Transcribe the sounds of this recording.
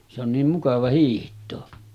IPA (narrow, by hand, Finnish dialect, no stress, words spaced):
se on niːm mukɑʋɑ hiːhtˑoː